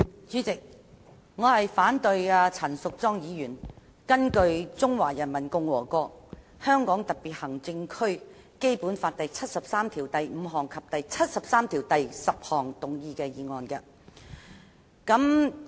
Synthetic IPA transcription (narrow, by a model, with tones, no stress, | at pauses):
t͡syː˨˥t͡sɪ˨k̚ | ŋɔː˨˧hɐ˨jfaː˨˥nt̪ɵ˧ɥaː˧t͡sʰɐ˨˩nsʊ˨k̚t͡sɔː˥ŋjiː˨˧jyː˨˩n | kɐ˥nkɵ˧ɥt͡sʊ˥ŋwaː˨˩jɐ˨˩nmɐ˨˩nkʊ˧ŋwɔː˨˩kɔː˧k̚ | hœː˥ŋkɔː˨˥ŋt̪ɐ˨˩t̚piː˨t̚hɐ˨˩ŋt͡sɪ˧ŋkʰɵ˥ɥ | ke˥jpuː˨˥nfaː˧t̚t̪ɐ˨jt͡sʰɐ˥t̚sɐ˨p̚saː˥mt̪ʰiː˨˩wt̪ɐ˨jm̩ː˨˧ɦɔː˨˩ŋkʰɐ˨p̚t̪ɐ˨jt͡sʰɐ˥t̚sɐ˨p̚saː˥mt̪ʰiː˨˩wt̪ɐ˨jsɐ˨p̚hɔː˨˩ŋt̪ʊ˨ŋjiː˧kɛː˧jiː˨˧ŋɔː˨nkɐ˧ | kɐ˨˥m